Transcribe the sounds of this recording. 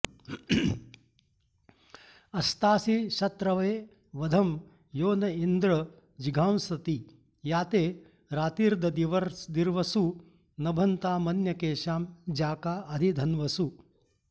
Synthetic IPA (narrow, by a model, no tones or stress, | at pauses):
ɐst̪aːsiʃɐt̪ɾɐʋeː | ʋɐd̪ʱɐm | joːnɐind̪ɾɐ | d͡ʒiɡʱaːmsɐt̪i | jaːt̪eː | ɾaːt̪iːɾd̪ʱɐd̪iʋɐɾd̪iɾʋɐsu | nɐbʱɐnt̪aːmɐnjɐkeːʃaːmd͡ʒaːkaːʔɐd̪ʱid̪ʱɐnʋɐsu